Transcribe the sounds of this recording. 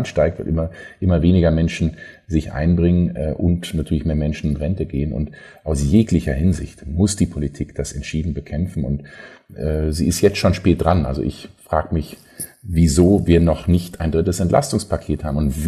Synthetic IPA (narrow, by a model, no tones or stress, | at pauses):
nʃtaɪk̚tv̥ʊ̰lʔɪmɐʔɪmɐveːnɪɡɐmɛnʃn̩zɪçʔa̰ɪnbʁɪŋənɛʔʊntnatʰyːɐlɪçmeːɐmɛnʃn̩ɪnʁɛntəɡeːənʊ̰nt | ʔaʊsjeːklɪçɐhɪnzɪ̰çtmʊsd̥iːpʰolitʰiːkd̥asɛ̰ntʃiːdn̩bəkʰɛmfn̩ʊ̰ntʔɛːziːɪstjɛt͡stʃoːnʃpɛːt̚d̥ʁanʔa̰lzo̰ʔɪ̰çfʁ̥aːɡəmɪç | vizoːviːɐnɔχnɪçtaɪndʁɪtəsɛntlʔa̰stʊŋspʰakʰeːthaːbmʊntv